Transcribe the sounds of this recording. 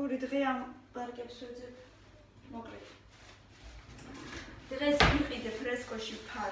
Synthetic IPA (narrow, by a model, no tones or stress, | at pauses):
uɾid̪ʁɛambaɾkʼɛpsɛ | mɔkʼɾɛ | d̪̥ʁɛsmiqʼid̪ɛpʰɾɛskʼɔʃipʰa